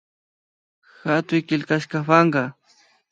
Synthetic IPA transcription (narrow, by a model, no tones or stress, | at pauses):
xat̪ʊjkɪlkaʃkafaŋɢɑ